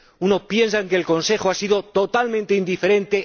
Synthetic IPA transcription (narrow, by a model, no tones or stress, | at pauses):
uno̞pje̞nsaeŋke̞ːlko̞nse̞xoasiðo̞t̪o̞t̪almẽnt̪eind̪ife̞ɾẽ̞nt̪e̞